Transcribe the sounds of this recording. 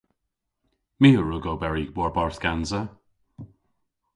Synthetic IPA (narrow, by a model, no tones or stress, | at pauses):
miːəɹuːɡoːbɛɹiwɔɹbaɹθɡ̥anzə